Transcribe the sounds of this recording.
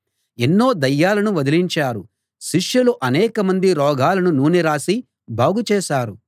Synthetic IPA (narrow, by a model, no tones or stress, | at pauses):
enːo̞ːd̪ɐjːaːlɐnuʋɐd̪iliɲt͡ʃaːɾu | ʃiʂjɐluʔɐnɛːkɐmɐnd̪iɾɔːɡʱaːlɐnunuːniɾaːsi | bʱaːɡut͡ʃɛːʃaːɾu